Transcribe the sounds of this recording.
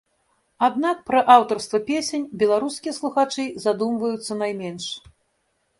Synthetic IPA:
ad̪nak̚pɾɐʔawt̪ɔrst̪vɐpʲesʲenʲbʲɛlˠaɾuskʲijɐslˠuxat͡ʂɨzad̪umvɐjut̪sːɐnajmʲɛnʂ

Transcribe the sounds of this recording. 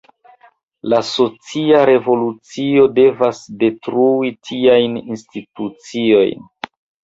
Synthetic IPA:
laso̞t͡siaɾe̞vo̞lut͡sio̞de̞vasde̞tɾuitʰiajninstitut͡sio̞̰jn

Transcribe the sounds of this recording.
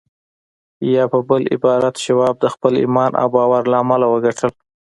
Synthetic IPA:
jɑpəbəlɪ̰bɑɾat̪ʃawɑb̚d̪əxpəlḭmɑnʔa̰wbɑwaɾlaːmalawəɡaʈʰəl

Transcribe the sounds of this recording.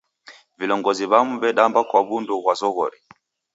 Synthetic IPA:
vilɔŋɡɔziβamuβɛɗambakwaβunduɣwazɔɣɔɾi

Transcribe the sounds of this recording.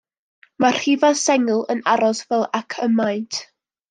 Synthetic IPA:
mar̥hivasɛŋəlˠənaɾɔsvɛlˠakʰəmajntʰ

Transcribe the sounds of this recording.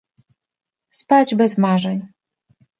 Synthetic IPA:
spad͡ʑbɛzmaʐɛɲ

